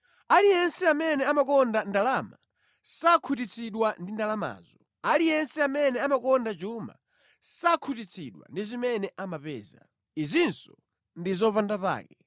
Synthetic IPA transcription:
alijɛnsɛamɛnɛamakɔndandalama | sakʰut̬it͡sʰiɗwandindalama̰ːzɔ | alijɛnsɛamɛnɛamakɔndat͡ʃuma̰ | sakʰut̬it͡sʰiɗwa̰ndizimɛnɛʔamapɛ̰ːza | izinsɔ | ndizɔpandapa̰ːkɛ

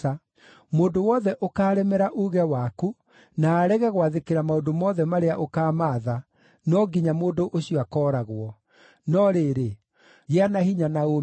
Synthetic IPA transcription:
a | moːndowɔðɛʔokaːɾɛmɛɾaʔuːɣɛwaːku | naːɾɛɣɛɣwaðekeɾamaondomɔðɛmaɾeaʔokaːmaːða | nɔɡiɲamoːndoʔoɕiwakɔːɾaɣwɔ | nɔɾeːɾe | ɣeanahiɲanao

